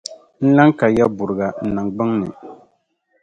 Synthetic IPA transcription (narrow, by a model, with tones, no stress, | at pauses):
n̩˦la˦ŋka˨ja˦bʊ˨ɾɨ˨ɡa˨n̩˨nɨ˨ŋɡ͡bɨ˦ŋnɨ˨